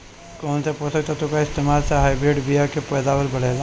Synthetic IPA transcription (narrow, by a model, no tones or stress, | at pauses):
kɔːnseposək̚t̪ɐt̪okaɪst̪eːmaːlseɦaːibɾeːɖbijakepɛːd̪aːwəlbɐɽ̤eːla